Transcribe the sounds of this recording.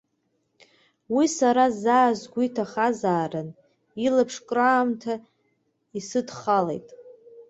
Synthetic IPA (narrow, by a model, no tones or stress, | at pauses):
wisaɾazaːzɡʷitʰaχazaːran | ilapʰʂkʼraːmtʰa | isɨdχalḛjtʼ